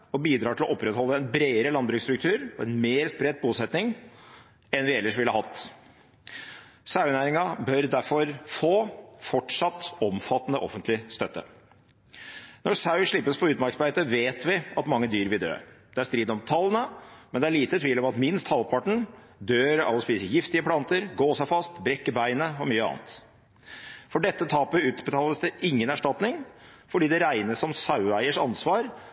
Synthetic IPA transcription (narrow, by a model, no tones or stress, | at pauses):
ɔbiːd̪ɾɑːʈʰɪlɔʔɔpːɾɛt̪hɔlːəɛnbɾeːəɾəlɑnd̪bɾʉːkst̪ɾʉkt̪ʰʉːɾɔɛnmeːɾspɾɛt̪̚ːbuːsɛt̪nɪŋ | ɛnʋɪɛlːəʂʋɪlːəhɑt̪ː | sɑʉnæːɾɪŋɑbœɾd̪æɾfɔɾfoːfɔʈʂɑt̪ːɔmfɑt̪ːənəʔɔfənt̪lɪst̪œt̪ːə̰ | nɔɾsɑʉʂɭɪpːəspʰɔʉːt̪mɑɾksbæɪt̪əʋeːt̪ʋɪɑt̪mɑŋːəd̪yːɾʋɪld̪ø̰ːd̪̥ɛæst̪ɾiːd̪ɔmt̪ʰɑlːənəmɛnd̪ɛæɭiːt̪ət̪ʰʋiːlɔmɑt̪mɪnst̪hɑlpʰɑʈɳ̩ | d̪øːɾɑ̰lːəspiːsəjɪft̪ɪəpʰlɑnt̪əɾɡoːsæɪfɑst̪bɾɛkːəbæɪnəɔmyːəɑ̰ːnət̪ | fɔɖɛt̪ːət̪ʰɑːpɪʉːt̪bət̪ʰɑːləsd̪ɛʔɪŋːənæʂʈɑt̪nɪŋ | fɔɖiːd̪ɛɾæɪnəsɔmsɑʉæɪəʂɑ̰nsʋɑːɾ